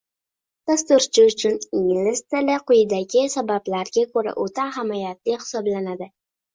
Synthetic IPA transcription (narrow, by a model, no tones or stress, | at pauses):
d̪̥ast̪ʊɾt͡ʃʰɪʊt͡ʃʰʊnɪŋlɪst̪ɪlɪqʊjd̪aɡʲɪsabablaɾɡʲakʰɵɾa̰ʔot̪ʰaɦɪmajat̪lɪhɪ̥sɒblanad̪ɪ